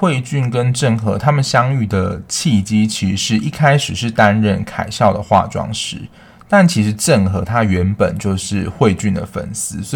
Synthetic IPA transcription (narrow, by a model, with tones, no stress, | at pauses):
xwe˥˧ɪt͡ɕy˥˩nkə˦nʈ͡ʂə˥˩ŋxɤ̰˧˥t̪ʰa˥mə˨nɕjɑ˥ŋy˥˩d̪ə˩t͡ɕʰi˥˩t͡ɕi˥t͡ɕʰi˧˥ʂɻ̩˧i˥˩kʰa˥ɪʂɻ̩˨˩ʂɻ̩˥˩t̪a˦˥nɻə˥˩nkʰa̰˨˩ɪɕjɑ˥˩ʊd̪ə˩xwa̰˥˧ʈ͡ʂwɑ̰˥ŋʂɻ̩˧˦ | t̪a˥˩nt͡ɕʰi˧˥ʂɻ̩˧˥ʈ͡ʂə˥˩ŋxɤ˧˥t̪ʰa˥ɥɛ˧˦˥npə˨˩nt͡ɕjo˥˧ʊʂɻ̩˥˩˨xwe˥˧ɪt͡ɕy˥˩nd̪ə̰˩fə̰˨˩nsɹ̩˥s